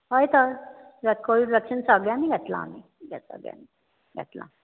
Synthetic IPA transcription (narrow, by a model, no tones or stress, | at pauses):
ɦojt̪əɾʋəkoʋiɖʋəkʂənsəɡjamiɡʱɛt̪la̰ːmi | ɡʱɛ̰sə̰ɡja̰ni | ɡʱɛ̰t̪la̰